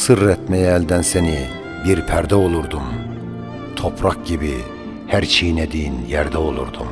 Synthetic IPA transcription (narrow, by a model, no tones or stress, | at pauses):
sɯɾɛt̪mɛjɛːld̪ænsɛni | biɾpʰæɾd̪ɛolˠuɾd̪um | t̪ʰopʰɾɑk̚ɟibi | hæɾt͡ʃʰejinɛd̪injæɾd̪ɛolˠṵɾd̪um